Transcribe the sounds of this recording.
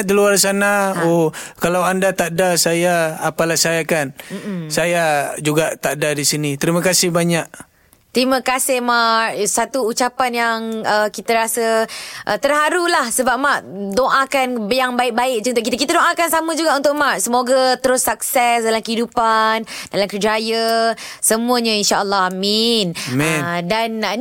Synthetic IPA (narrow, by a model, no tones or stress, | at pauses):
dəluarsanaokalawandat̪aʔdasajaːpalahsajakanm̩msajad͡ʒuɡaʔt̪aʔdadisinit̪əɾimakasɪhbaɲaʔ̚ | t̪ɾiməkasɪhmarsat̪uːt͡ʃapanjaŋəkit̪aɾasəʔət̪ərɦaɾulahsəbap̚maʔdoʔãkanbəjaŋbaɪk̚baɪk̚d͡ʒunt̪oʔkit̪əʔk̬it̪adoʔãkansaməd͡ʒuɡaʔunt̪ʊk̚marsəmoɡat̪əɾʊsak̚sɛsdalamkəɦidupandalamkəd͡ʒajasəmuəɲãinʃaəlːɔhaminmɛdan